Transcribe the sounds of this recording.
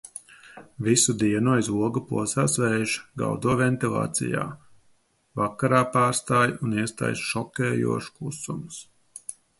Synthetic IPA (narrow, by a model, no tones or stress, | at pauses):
visud̪iɛnuɔjzuɔɡupṵɔsaːsvɛːʒɡa̰wd̪uɔvɛnt̪ilˠa̰ːt̪sḭja̰ː | vakːaɾaːpaːɾst̪aːjuniɛst̪a̰jsʃɔkɛːjṵɔʃkˠusums